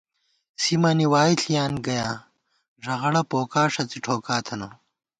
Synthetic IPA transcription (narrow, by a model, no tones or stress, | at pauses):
simɐniwaːiɬʰijaːnɡɐjaː | ʐɐɣɐɽɐpoːkaːʂɐt͡siʈʰoːkaːt̪ʰɐno